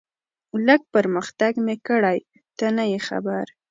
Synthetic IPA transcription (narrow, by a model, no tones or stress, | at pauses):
ləɡ̚pəɾməxt̪aɡmekəɽaj | t̪anajexa̰baɾ